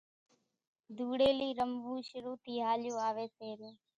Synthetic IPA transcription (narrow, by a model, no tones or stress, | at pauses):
d̪ʱuːɽeːliːɾəmbʱuːʃəɾuːt̪ʰiːɦaːlɪjõːaːʋeːseːɾẽː